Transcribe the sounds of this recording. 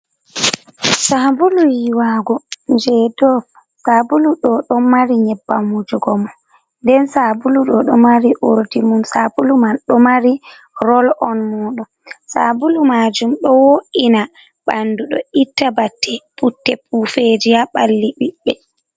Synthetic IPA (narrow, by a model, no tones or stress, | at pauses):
sabulujiwaɡɔnd͡ʒɛdɔf | sabuluɗɔɗɔmːaɾiɲɛbːamud͡ʒuɡɔmɔ | ndɛnsabuluɗɔɗɔmaɾiʔoɾdimunsabulumanɗɔmaɾi | ɾɔlʔɔnmuːɗumsabulumad͡ʒumɗɔwoʔina | ɓanduɗɔ̰itːabatʰːɛputːɛp̚ʰufed͡ʒijaɓalːiɓiɓːɛ